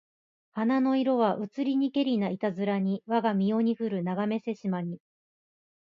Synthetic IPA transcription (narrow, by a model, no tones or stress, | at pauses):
hanano̞iɾo̞βaʔɯ̟t͡sɨɾʲiɲ̟ike̞ɾʲinait̪azɨɾaɲ̟iβaɡamʲio̞ɲ̟iɸɯ̟ɾɯ̟naɡame̞se̞ɕimaɲ̟i